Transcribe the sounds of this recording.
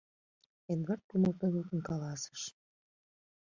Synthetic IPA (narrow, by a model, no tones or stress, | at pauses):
enβɑrt̪̚kuməlt̪onut̪ə̆nkɑlɑsə̥ʃ